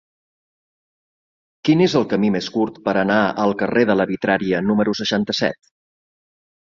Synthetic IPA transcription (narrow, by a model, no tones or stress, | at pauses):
kinezəlˠkəmimeskuɾt̪pəɾənaəlˠkəreðələβit̪ɾaɾiənuməɾusəʃant̪əsɛ̰t̪